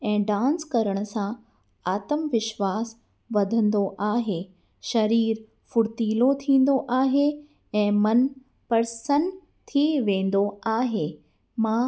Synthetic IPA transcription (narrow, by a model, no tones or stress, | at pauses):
ɛ̃ːɖãːnskɐɾəɽ̃ʊ̆sã | aːt̪əmʋɪʃʋaːs | ʋɐd̪ʱə̃nd̪oʔaːɦeː | ʃɐɾiːɾ | fʊɽt̪iːlot̪ʰĩːn̆d̪oʔaːɦe | ɛ̃ːmɐn | pɐɾsən | t̪ʰiʋẽːn̆d̪oaːɦeː | mãː